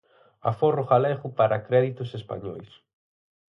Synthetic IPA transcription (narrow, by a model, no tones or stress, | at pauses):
a̰forʊɣalɛɣʊpaɾʔakɾɛðit̪ʊsespa̰ɲɔ̰js